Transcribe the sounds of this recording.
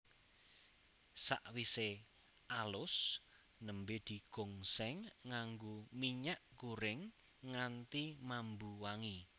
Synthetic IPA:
sa̰ʔwise | ʔalʊs | nəmbed̪̥i̤ɡ̥oŋsɛŋːaŋɡomiɲaʔkuɾɪŋː | ant̪imambuwaŋi

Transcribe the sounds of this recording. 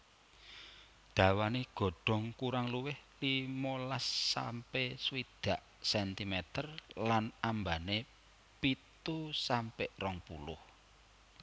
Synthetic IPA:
ɖ̪̥a̤waniɡ̥ɔ̤ɖ̥ɔ̤ŋkuɾaŋluwɪhlimolasːa̰mpeswid̪̥a̤ʔ | sɛnt̪imɛt̪ərlanambane | pit̪usampɪʔrɔŋpṵlʊh

